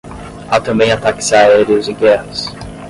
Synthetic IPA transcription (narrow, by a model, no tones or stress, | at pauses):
at̪ɐ̃mbẽj̃at̪akɪ̥sɪaaɛɾiʊzɪɡɛhɐs